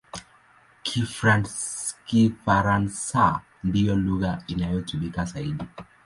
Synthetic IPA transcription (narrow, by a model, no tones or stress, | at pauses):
kʰifɾanskifaɾansa | ndijɔluɣainajɔtuɓikasaiɗi